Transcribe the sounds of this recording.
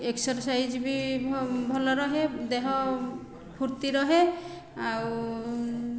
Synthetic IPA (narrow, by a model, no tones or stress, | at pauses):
eksɔɾsajd͡ʒbi | bʱɔlɔɾɔɦed̪eɦɔ | pʰuɾt̪iɾɔɦe | aw